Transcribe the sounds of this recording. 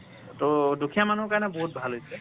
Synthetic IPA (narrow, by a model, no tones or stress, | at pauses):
todukʰijamanukaɹnɛbɔɦut̚bʱalɦojsɛ